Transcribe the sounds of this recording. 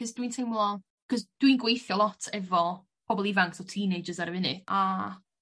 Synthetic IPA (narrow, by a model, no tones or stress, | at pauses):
kɔzdwintʰejmlˠɔ | kʰɔsd̥winɡwejθjɔlˠɔtʰɛvɔ | pʰɔbɔlˠivaŋksɔtʰiːnejd͡ʒəzaɾəvɪnɨʔa